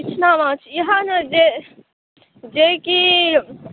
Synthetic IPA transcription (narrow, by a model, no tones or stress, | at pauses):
it͡ʃʰnamãt͡ʃʰiɦənəd͡ʒe | d͡ʒeki